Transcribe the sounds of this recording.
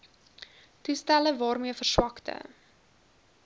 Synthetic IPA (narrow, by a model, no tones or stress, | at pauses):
tustæləvɑːrmiəfərswɐktə̰